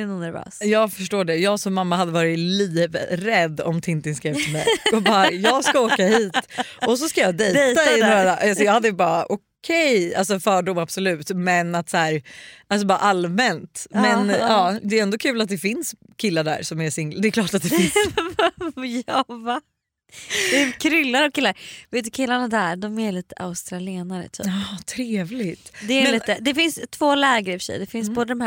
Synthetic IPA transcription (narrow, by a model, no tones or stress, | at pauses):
ɛnunæɾvø̰ːsjɑːɡfœʂʈoːɖɛjɑːɡsɔmːamːahad̪ːəvɑːɾɪt̪liːvɾɛd̪ːɔ̰mt̪ʰɪnt̪ɪnskɾeːvʰɪmɛ̰jɔbɑːɾajɑːɡskaoːkahiːt̪ʔɔs̬ɔskajɑːd̪ɛjdɛaɪnd̪aʔals̬ɔjɑːhad̪ːəbɑːɾaʔɔ | kʰɛja̰ls̬ɔfœːɖʊmab̥sɔlʉ̟ːt̪mɛnat̪sæːɾals̬ɔbɑːɾa̰ʔalmɛnt̪mɛnɑːd̪ɛɾɛnd̪ɔkʰʉ̟ːlat̪̚d̪ɛfɪns | kʰɪlːaɖæ̰ːɾsɔmɛsɪŋld̪ɛɛkʰlɑːʈat̪̚d̪ɛ | jɑva | d̥̪ɛkʰɾʏlːaɾɔkʰɪlːaɾveːt̪ʉkʰɪlːaɳad̪æɾɖ̪ɔmæliːt̪əʔa̰ʊst̪ɾalɪeːnaɾə̰t̪ʰy̰ːɑt̪ʰɾeːvlɪt̪d̪ɛːɾmɛliːt̪əd̪ɛfɪnst̪ʰvoːlɛːɡəɾɪfœ̥ʂɛ̰jd̪ɛfɪnsboːd̪əd̪ɔmɦæ